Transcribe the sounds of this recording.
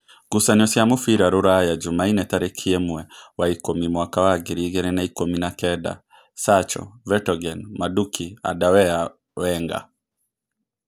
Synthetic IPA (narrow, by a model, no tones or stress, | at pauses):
ɡ̥usaɲɔsjamʊfiɾaɾoɾajad͡ʒumainɛtaɾɛkʰiemuɛwaikomimwakawaɡeɾiɣɛɾɛnaikominakɛda̰ | sat͡ʃɔ̰vɛtɔɡɛnmadukʰia̰dawɛa | wɛŋɡa̰